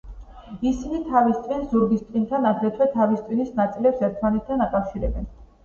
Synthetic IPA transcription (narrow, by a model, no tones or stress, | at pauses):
isinit̪ʰavist̪sʼinszuɾɡist̪ʼint̪ʰanad̪ɾɛt̪ʰwɛt̪ʰavist̪sʼinisnat̪sʼilɛpsɛɾt̪ʰmanɛt̪ʰt̪ʰːanakʼafʃiɾɛbɛn